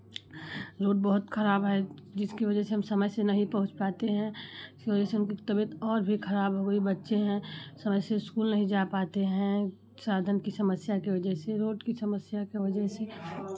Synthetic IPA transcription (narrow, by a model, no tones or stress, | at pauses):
ɾoːɖ̚bəɦʊt̪kʰɐɾaːbɦɛd͡ʒɪskiʋɐd͡ʒɛɦseɦɐmsɐməjsenɐɦĩpɐɦʊ̃t͡ʃpaːt̪eɦɛ̃ɪskiʋɐd͡ʒɛɦseʊnkit̪ɐbət̪ɔːɾbʱikʰɐɾaːbɦoɡoibɐtːʃeɦɛ̃sɐməjseɪskuːlnɐɦĩd͡ʒapaːt̪eɦɛ̃ | saːd̪ʱənkisɐməsjakeʋɐd͡ʒɛɦseɾoːʈkisɐməsjakeʋɐd͡ʒəɦse